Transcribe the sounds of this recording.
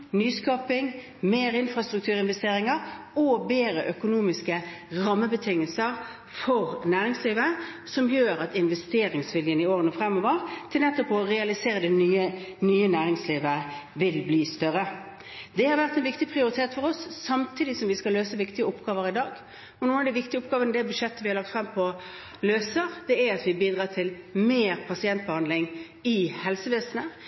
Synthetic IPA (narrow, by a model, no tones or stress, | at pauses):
nyːskɑːpɪŋ | meːɾɪnfɾɑst̪ʁʉk̚t̪ʰʉːɾʁɪnʋɛst̪eːʁɪŋəʁ | ɔbeːɾəʔœkʊnuːmɪskəʁɑmːəbət̪ʰɪŋːəlsəʁ | fɔʁnæːɾɪŋsliːʋə | sɔmjøːʁɑt̪ɪnʋɛst̪eːʁɪŋsʋɪljənɪoːʁənəfʁɛmːɔːʋəʁt̪ʰɪlnɛt̪ːɔpɔʁɛɑlɪseːʁəd̪ɛnyːənyːənæːʁɪŋsliːʋəʋɪlbliːst̪œɾə | d̪ɛhɑɾʋæʁt̪ɛnʋɪkt̪ɪpʰʁɪʊɾɪt̪ʰeːt̪fɔʁɔsːɑmt̪ʰiːd̪ɪsɔmʋɪskɑlːøːsəʋɪkt̪ɪɡəʊpːɡ̥ɑːʋəɾɪd̪ɑːɡ | ɔnuːənɑd̪ɪʋɪkt̪ɪəʊp̚ɡɑːʋənəd̪ɛbʉʂɛt̪ːəʋɪhɑɾlɑk̚t̪fʁɑmpʰɔ | løːsəʁd̪̥ɛæɾɑt̪ʋɪbiːd̪ʁɑːt̪ʰɪlmeːɾpʰɑsɪɛnt̪̚bəhɑnd̪lɪŋ | ɪhɛlsəʋeːsənə